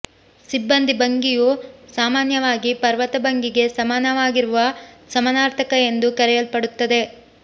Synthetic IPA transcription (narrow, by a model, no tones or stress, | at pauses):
sibːɐnd̪ʱibɐŋɡijusaːmaːnjɐʋaːɡipɐɾʋɐt̪ɐbɐŋɡiɡe̞sɐmaːnɐʋaːɡiɾuʋɐsɐmɐnaːɾt̪ʰɐkɐe̞nd̪ukɐɾɛjɐlpɐɽut̪ːɐd̪e̞